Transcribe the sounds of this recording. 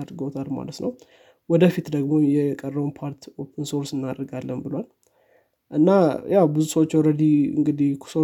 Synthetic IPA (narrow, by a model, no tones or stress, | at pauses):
ad̪ɾɡot̪ʰalma̰lət̪nəw | wɔd̪əfit̪d̪əɡmo̞jɛkʼərːəwnpʰaɾt̪ʰo̞pʰənso̞ɾsɨnːad̪ɾɡalːənbɨlwal | ʔɨnːajʔawbɨzusəwot͡ʃːɛwɾəd̪iɨ̰ŋɡɨd̪ihkʰso